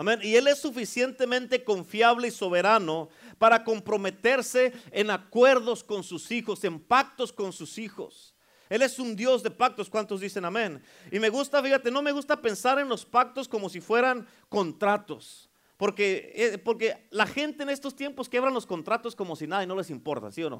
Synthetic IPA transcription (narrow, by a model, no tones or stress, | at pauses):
amẽnie̞le̞sːufisje̞nt̪e̞mẽnt̪e̞ko̞ɱfjaβleiso̞βe̞ɾano̞paɾako̞mpɾo̞me̞t̪e̞ɾse̞ːnakwe̞ɾðo̞sko̞nsusixo̞se̞mpak̚t̪o̞sko̞nsusixo̞̰s | e̞le̞sund̪jo̞zðe̞pak̚t̪o̞skwant̪o̞zðise̞namẽ̞n | ime̞ɣust̪afixat̪e̞no̞me̞ɣust̪ape̞nsaɾe̞nlo̞spak̚t̪o̞skomo̞sifwe̞ɾaŋ | ko̞nt̪ɾat̪o̞s | po̞ɾke̞epo̞ɾke̞laxe̞nt̪e̞ːne̞st̪o̞st̪je̞mpo̞skjeβɾanlo̞sko̞nt̪ɾat̪o̞sko̞mo̞sinaðaino̞le̞s̬impo̞ɾt̪a̰siono̰